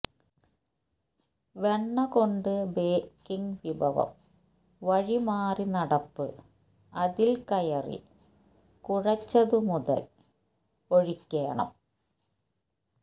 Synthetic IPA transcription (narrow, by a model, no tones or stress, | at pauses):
ʋe̞ɳːɐko̞ɳɖɨbeːkːiŋʋibʱɐʋɐ̰m | ʋɐɻimaːrinɐɽɐpːɨ̰ | ɐðilkɐjɐrḭ | kuɻɐt͡ɕːɐðɨmuðɐ̰l | o̞ɻikʲːeːɳɐ̰m